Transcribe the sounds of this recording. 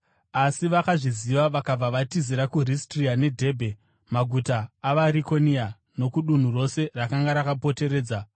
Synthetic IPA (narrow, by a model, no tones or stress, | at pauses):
asiʋakaʐiziʋaʋakab͡vaʋatiziɾakuristriane̞dʱe̞ːbʱe̞ | maɡʱutaːʋaɾiko̞nia | no̞kuɗun̤uro̞se̞rakaŋɡaɾakapo̞te̞ɾe̞ːd͡za